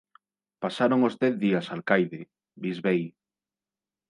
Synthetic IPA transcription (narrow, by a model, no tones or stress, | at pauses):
pasaɾoŋozdɛθðiasaːlkajðɪ | bizβej